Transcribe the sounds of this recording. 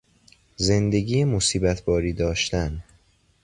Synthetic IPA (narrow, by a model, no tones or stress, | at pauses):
ze̞nd̪e̞ɟiːjemosiːbæt̪ʰbɒːɾiːd̪ɒːʃt̪æn